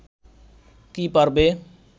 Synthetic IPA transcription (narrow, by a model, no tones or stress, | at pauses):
kiːpəɾbeː